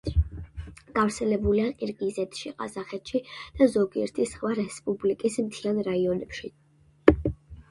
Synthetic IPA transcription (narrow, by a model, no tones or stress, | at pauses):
ɡ̥avɾt̪sʰɛlɛbuliaiɾɡʼizɛt̪ʰʼʃiqʼa̰zaχɛt̪ʰʃid̪̥azɔɡiɛɾt̪ʰisχvaɾɛspʼublikʼismt̪ʰianɾaiɔnɛpʃi